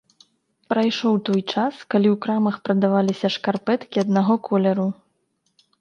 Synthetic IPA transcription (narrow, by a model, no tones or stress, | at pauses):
pɾajʂɔwt̪ɔjt͡ʂaskalʲiwkɾamɐxpɾɐd̪avalʲisʲɐʂkarpɛt̪kʲiɐd̪naɣɔkʰɔlʲɐɾu